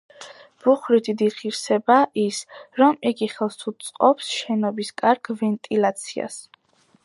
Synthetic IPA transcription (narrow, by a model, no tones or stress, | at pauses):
b̥uχɾit̪ʰid̪iχiɾsɛbaʔisɾɔmiɡiχɛlˠsut̪sʼqʼɔpsʃɛnɔbiskʼaɾɡvɛnt̪ʼilat̪sʰia̰s